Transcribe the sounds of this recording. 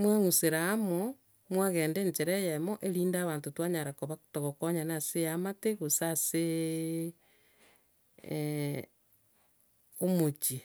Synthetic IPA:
mwaŋuseɾaːmo | mwaɣeːndeːɲt͡ʃeɾejemoʔeɾiːndaːβaːntotwaɲaɾakoβatoɣokoɲanasejamateɣosase | omot͡ʃi

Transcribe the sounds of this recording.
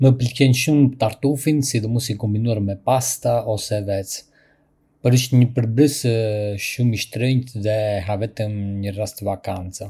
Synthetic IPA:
məpəlcɛnʃumpt̪aɾt̪ufinsid̪ɔmusikɔmbinuaɾmɛpast̪aɔsɛvɛt͡s | pɔɾiʃt̪ɲəpəɾbɾəsəʃumiʃt̪ɾəɲt̪ðɛɦavɛt̪əmɲərast̪əvakant͡sa

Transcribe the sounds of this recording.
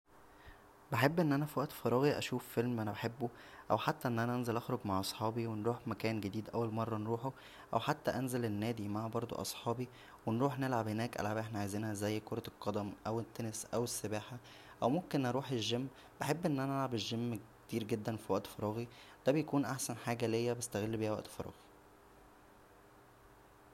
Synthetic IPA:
beħebːʔenːʔænæfiwæʔt̪fɑɾˤɑːɣiʔæ̰ʃuːffelmʔænæbeħebːoʔæwħat̪ːæʔenːʔænæʔænzelʔɑxɾoɡmaʕʔɑsˤħɑːbiwenɾuːħmækæːnɡed̪iːd̪ʔæwːælmɑrˤːɑnɾuːħo | ʔæwħat̪ːæʔænzelenːæːd̪imaʕbɑɾˤd̪ˤo̰ʔɑ̰sˤħɑːbi | wenɾuːħnelʕabhenæːkʔæ̰lʕabʔeħnæʕajziːnhæzæjːkoɾˤɑlqːɑd̪æmʔæwet̪ːænesʔæwesːebæːħa | ʔæwmomkenʔɑɾˤuːħeʒːemː | b̥eħebːʔenːʔænæælʕabeʒːemːk | t̪iːɾɡed̪ːænfiwæʔt̪fɑɾˤɑːɣid̪̥æbejækuːnʔaħsænħaːɡælejːæbest̪æɣelːbiːhææʔt̪fɑɾˤɑ̰ːɣi̥

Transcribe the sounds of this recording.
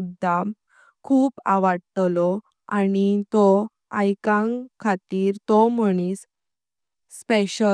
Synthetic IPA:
ud̪ʱːa | kʰuːpaʋaɽt̪lɔ | añit̪ɔ | ajkãŋkʰːat̪iːɾt̪ɔm̤əɽ̃iːsː | peɕə

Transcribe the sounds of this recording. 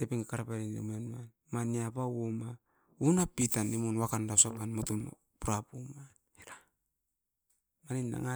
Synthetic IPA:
tepeŋakaɾapaɾinḛmenman | maniapawwoma | unapitanimunwakandasapanmotun | puɾapumanhiɾa | maninːa̰ŋa

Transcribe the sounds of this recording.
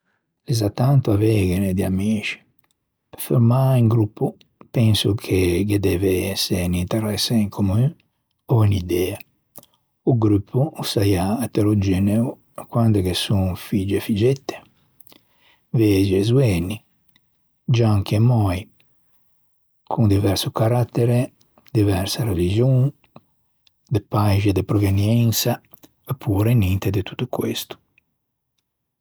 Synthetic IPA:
ɛzat̪ːant̪uavɛːɡened̪iamiːt͡ʃi̥ | pfeɾmaiŋɡɾupʰːu | pɛnsukʰeɡed̪ɛveɛsːenint̪ɛrɛsːaiŋkʰomu | ɔinid̪ɛːa | uɡɾypʰːuusajaːt̪ːeɾod͡ʒɛneu | kwand̪ekesuŋfid͡ʒefid͡ʒɛt̪ːe̥ | ved͡ʒezwɛːni | d͡ʒaŋkemɔj | kʰund̪ivɛɾsukaɾat̪ːɛɾe | d̪ivɛɾsaɾelid͡ʒjuŋ | d̪epajʒad̪ɪpɾɔvenjɛnsa | epʰːuːɾenint̪ed̪ɪt̪u̥t̪ːukwḛst̪u̥

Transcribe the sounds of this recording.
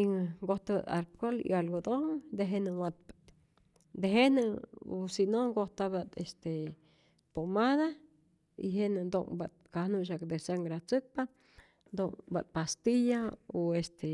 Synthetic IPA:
iŋɡoht̪aba̰t̪alp̚kolḭalɡod̪oŋd̪eɦenɨwat̪̚pḁ | d̪eɦenɨosinoŋɡoht̪abat̪est̪e | pomaða | ḭɦenɨnd̪oŋbat̪̚kahnuʔʃ̬akd̪esaŋɡɾat͡sɨk̚pa | d̪oŋba̰t̪̚past̪ijaoest̪e

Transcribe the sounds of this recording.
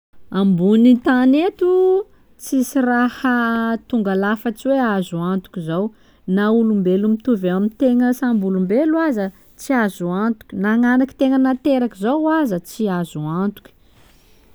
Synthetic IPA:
ambunit̪anet̪u | t͡sisirahət̪uŋɡalafət͡siweazuant̪u̥kʲizaw | naulumbelumit̪uvaamint̪eŋəsambulumbeluazə | t͡siazuant̪u̥kʲinaŋanaki̥t̪eŋənat̪eɾakizowazət͡siazuant̪u̥kʲi̥

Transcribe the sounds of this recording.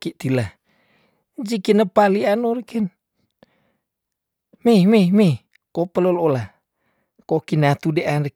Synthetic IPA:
kit̪ila | d͡ʒikinəpalianoɾekən | mememe | kopəlolola | kokinat̪udeʔanɾe

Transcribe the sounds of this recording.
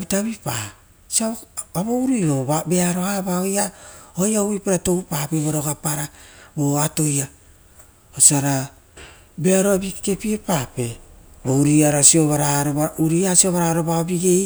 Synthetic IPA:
bitaβipa̰ | siaaβowɾio̞βabe̞aɾo̞aβaojaojauβipeɾato̞wpape̞βoɾoɡapaɾabo̞ato̞ja | osaɾa | be̞aɾoabike̞piepape̞bouɾiaɾasio̞βaɾaɾoauɾiasio̞βaɾaɾo̞βaobiɡe̞j

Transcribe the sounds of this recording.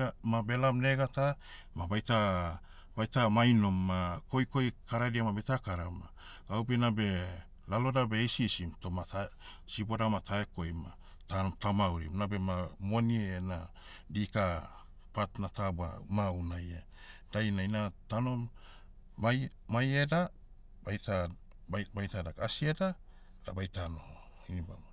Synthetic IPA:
amabe̞lamne̞ɡatamabajta | bajtamajno̞mːako̞jko̞jkaɾadiamabetakaɾama | ɡawbenabe̞ | lalo̞dabe̞jsisimto̞matasibo̞damataeko̞jma̰ | tatamawɾḭmnabe̞mamoniena | dika | patnataba̰maunajad̥ajnainatano̞mː | a | majeda | bajta | bajtadakasieda | d̥abajtano̞ | iniba̰ma

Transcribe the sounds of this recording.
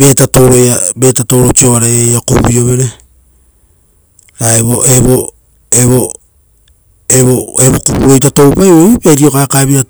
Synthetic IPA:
be̞tato̞ɾojabe̞tato̞ɾot͡ʃio̞aɾaejakoio̞βe̞ɾe | aeβoʔeβo | eβo | eβoeβokuβuɾo̞jtato̞wpajojpeajɾio̞kaːkaβiɾa

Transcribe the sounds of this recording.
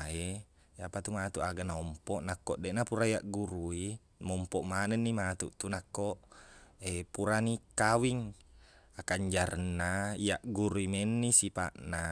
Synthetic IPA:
e | japat̪umat̪uʔaɡanaɔmpɔʔnakːɔʔdɛʔnapuɾaijaʔɡuɾui | mɔmpɔʔmanɛnːimat̪uʔt̪unakːoʔepuɾanikawiŋ | akaɲd͡ʒaɾənːaijaʔɡuɾuimɛnːisipa̰ʔna

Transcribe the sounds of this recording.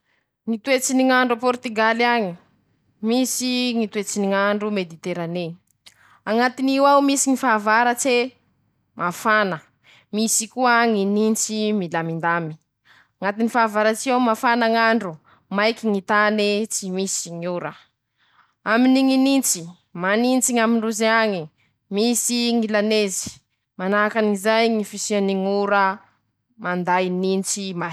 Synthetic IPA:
ŋit̪uet͡siniŋaɳɖ͡ʐupɔɾt̪iɡaliaɲi | misiŋit̪wet͡siniŋaɳɖ͡ʐumed̪it̪eɾane | aŋat̪iniwawmisiŋifavaɾət͡se | mʔafanə | misikuaŋinint͡similamind̪ami̥ | ŋat̪inifavaɾat͡siewmafanaŋaɳɖ͡ʐu | majkiŋit̪anit͡simisiŋiuɾə | aminiŋinint͡si | manint͡siŋamiɳuzeaŋi | misiŋilanezi̥ | manakanizajŋifisianiŋuɾə | mand̪ajnint͡sima

